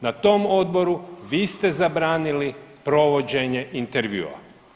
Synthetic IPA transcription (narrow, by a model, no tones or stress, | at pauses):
nat̪o̞ːmod̪bo̞ɾuʋiːst̪ezabɾaːnilipɾo̞ʋod͡ʑe̞ɲeʔint̪eɾʋjṵːa̰